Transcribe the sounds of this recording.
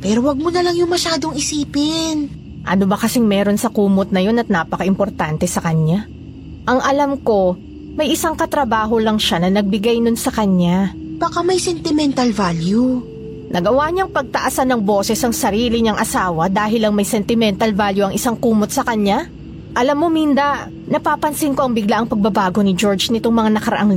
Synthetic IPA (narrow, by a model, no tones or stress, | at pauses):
pɛːɾowɐɡ̚monɐlɐŋjʊŋmɐʃaːd̪oŋɪsiːpɪn | ʔɐnobɐkɐsɪŋmɛːɾo̞nsɐkuːmot̪̚nɐjo̞nɐt̪̚naːpɐkɐʔɪmpo̞ɾt̪ant̪ɛsɐkɐɲːa | ʔɐŋʔɐlamko̞ | mɐjʔɪsaŋkɐt̪ɾɐbaːɦo̞lɐŋʃanɐnɐɡ̚bɪɡajnonsɐkɐɲːab̥akamɐjsɛnt̪ɪmɛnt̪ɐlvalju | nʔɐɡɐwaɲaɐŋpɐɡ̚t̪ɐʔasanɐŋbo̞ːsɛsɐŋsɐɾiːlɪɲaŋʔɐsaːwɐd̪aːɦɪlɐŋmɐjsɛnt̪ɪmɛnt̪ɐlvaljuɐŋʔɪsaŋkuːmot̪̚sɐkɐɲːa | ʔɐlɐmːomind̪ɐʔ | nɐpaːpɐnsɪnkoʔɐŋbɪɡlaʔɐŋpɐɡ̚bɐbaːɡo̞nɪd͡ʒo̞ɹd͡ʒnɪt̪o̞ŋmɐŋanɐkɐɾɐ̰ʔaŋ